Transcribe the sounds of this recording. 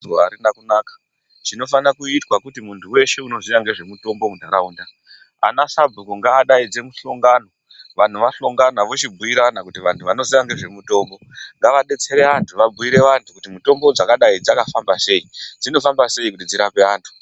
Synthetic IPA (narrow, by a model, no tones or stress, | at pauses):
aɾinakunaːkḁ | ʐino̞fanakuitwakutimuntʰuwe̞ʃe̞uno̞ziʋaŋɡe̞ʐe̞muto̞mbo̞mudʱaɾauːnda | a̰nasabʱukoŋɡaːɗaid͡ze̞muɬoŋɡaːno̞ | ʋan̤uʋaɬoŋɡanaʋot͡ʃibʱuiɾanakutiʋantʰuʋano̞ziʋaŋɡe̞ʐe̞muto̞ːmbo̞ŋɡaʋaɗe̞t͡se̞ɾe̞antʰuʋabuiɾe̞ʋantʰukutimuto̞mbo̞d͡zakaɗaid͡zakafambase̞id͡zino̞fambase̞ikutid͡ziɾape̞aːntʰu̥